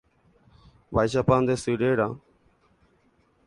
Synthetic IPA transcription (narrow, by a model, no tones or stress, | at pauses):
ʋaːjs̬aːpãːnd̪eːsiːɖeːɽãː